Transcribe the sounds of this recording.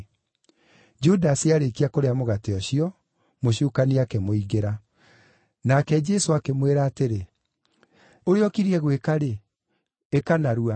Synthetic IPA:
d͡ʒudaseaɾekiakoɾeamoɣateɔɕiɔ | moɕukaniakɛmoiɣeɾa | nakɛd͡ʒɛsoakemweɾaːteɾe | oɾeɔkiɾiɛɣwekaɾeː | kanaɾua

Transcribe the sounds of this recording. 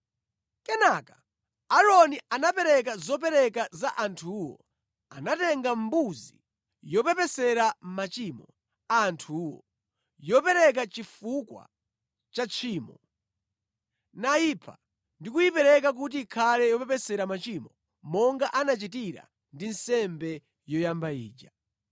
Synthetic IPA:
kɛnakḁ | aɾɔniʔanapɛɾɛkazɔpɛɾɛkazaʔantʰuwɔ̰ | a̰natɛŋɡambuzi | jɔpɛpɛsɛɾammat͡ʃimɔ | antʰuwɔ̰ | jɔpɛɾɛk̬at͡ʃifukwa̰ | t͡ʃat͡ʃʰiːmɔ | naipʰa̰ | ndikujipɛɾɛk̬ak̬ut̬iːkʰalɛjɔpɛpɛsɛɾamat͡ʃimɔ | mɔŋɡaʔanat͡ʃitiɾa̰ | ndin̩sɛmbɛ | jɔjambaiːd͡ʒa

